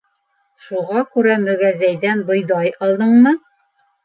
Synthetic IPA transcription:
ʃuʁɑkʉɾæmɵ̆ɡæzæjðænbɤ̆jðɑjɑlˠd̪ɤ̆ɴmɤ

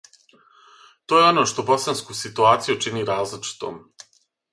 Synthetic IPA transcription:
t̪ojeo̞no̞ːʃt̪o̞bo̞sanskusit̪uaːt̪sijut͡ʃiniːɾaːzlit͡ʃi̥t̪o̰ːm

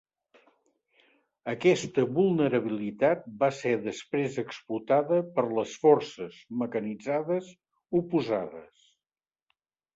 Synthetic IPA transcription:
əkɛst̪əβulˠnəɾəβ̞ilit̪at̪̚basɛðəspɾezəksplut̪aðəpəɾləsfɔrsəz̥məkənid͡zaðəz | upuzaðə̰s

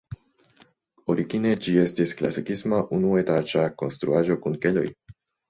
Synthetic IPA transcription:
o̞ɾiɡine̞d͡ʒie̞stiskla̰sikismaʔunue̞tad͡ʒako̞̰nst̪ɾṵaʒo̞kunke̞lo̰j

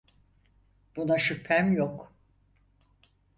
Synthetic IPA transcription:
b̥unaʃypʰæmjok

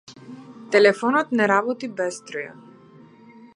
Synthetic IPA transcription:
t̪ɛlɛfɔnɔt̪nɛɾabɔt̪ibɛst̪ɾɔja̰

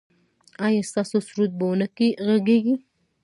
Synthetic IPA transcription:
ɑjɑst̪ɑsosuɾut̪̚bəwnəkiɣaɡeɡi

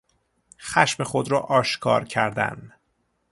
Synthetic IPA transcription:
xæʃmexo̞d̪ɾɒːʔɒːʃkʰɒ̰ːɾcʰæɾd̪æ̰n

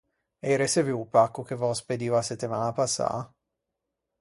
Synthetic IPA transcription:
ɛjɾeseviupakːuk̟evɔsped̪iːvaset̪ːimaːnapasːa̰

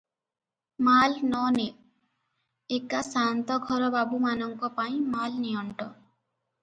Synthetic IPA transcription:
malnɔne | ekasant̪ɔɡʱɔɾɔbabumanɔŋkɔpaĩmalniɔɳʈɔ

